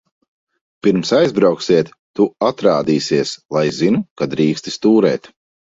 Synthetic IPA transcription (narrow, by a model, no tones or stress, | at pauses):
piɾmsajzbɾawksiɛt̪ːuat̪ɾaːd̪iːsiɛslˠajzinukad̪ɾiːkst̪i̥st̪uːɾɛːt̪